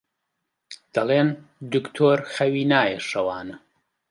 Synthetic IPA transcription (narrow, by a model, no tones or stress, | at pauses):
d̪̥ɐleːnd̪ɨkt̪ʰoːɾxɐwiːnaːjɛʃɐwaːnɐ